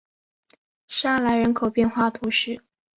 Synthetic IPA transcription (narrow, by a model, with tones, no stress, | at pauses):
ʂa˥˩la˧˥ɪɻə˧˥nkʰo˨˩ʊpjɛ˥˧nxwa˥˩t̪ʰu˧˥ʂɻ̩˥˩